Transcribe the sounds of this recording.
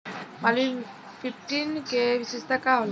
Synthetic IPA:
malin | pʰipʈinkebisest̪ʰakaɦol

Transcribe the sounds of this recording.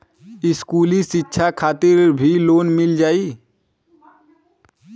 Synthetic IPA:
ɪskuːlisɪtːʃʰakʰaːt̪ɪɾbʱiloːnmɪld͡ʒaːiː

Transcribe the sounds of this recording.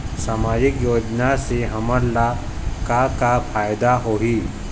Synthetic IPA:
saːmaːd͡ʒɪkjoːd͡ʒnaseɦɐməɾlakakapʰaːjd̪aɦoɦi

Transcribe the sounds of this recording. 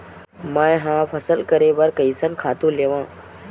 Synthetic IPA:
mə̃ɦãːpʰɐsəlkəɾeʋəɾkəisənkʰaːt̪ũleːʋãː

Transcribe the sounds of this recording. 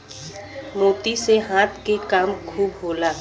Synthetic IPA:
moːt̪iseɦãːt̪ʰkekaːmkʰuːbɦoːlaː

